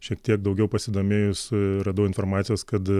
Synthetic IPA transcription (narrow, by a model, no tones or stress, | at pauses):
ʃʲiɛk̚t̪ʲiɛk̚d̪ɐʊɡʲɛʊpɐsʲɪd̪oːmʲeːjʊsɾɐd̪ɐːɪnfoːrmɑːt̪ʲɪjoːskɐt̪